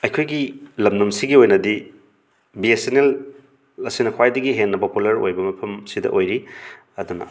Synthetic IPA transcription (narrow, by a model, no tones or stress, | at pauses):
ɐjkʰojɡilɐmnumsiɡiojnɐdi | biesenel | ɐsinɐkʰwajdɐɡiɦenːɐpopulɐɾo̰jbɐmɐpʰɐmsidɐ̰ʔojɾi | ɐdunɐ̰